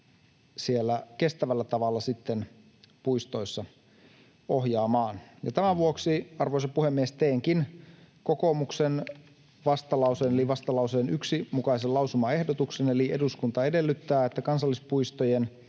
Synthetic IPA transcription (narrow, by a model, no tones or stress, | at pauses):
sielːæke̞st̪æʋælːæt̪ɑʋɑlːɑsit̪ːen | puist̪o̞isːɑ | ohjɑːmɑːnjɑ̰t̪æmæʋuoksiɑrʋoisepuhemːiest̪eːŋkinkokomuksen | ʋɑst̪ɑlɑuseːneliʋɑst̪ɑlɑuseːnyksimukɑiselɑwsumɑe̞hdot̪uksene̞liʔeduskunt̪ɑe̞de̞lːyt̪ːæːet̪ːækɑnsɑlːispuist̪ojen